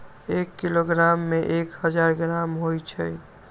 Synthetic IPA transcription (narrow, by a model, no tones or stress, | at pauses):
ekːiloɡɾamːẽʔekɦəd͡ʒaɾɡɾamɦojt͡ʃʰə̰